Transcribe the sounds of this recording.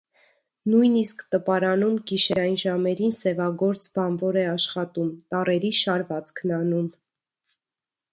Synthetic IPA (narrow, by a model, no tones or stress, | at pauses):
nujniskt̪əpɑɾɑnumɡiʃɛɾɑjinʒɑmɛɾinsɛvɑɡɔɾt͡sbɑnvɔɾɛɑʃχɑt̪umt̪ɑrɛɾiʃɑɾvɑt͡skʰnɑnum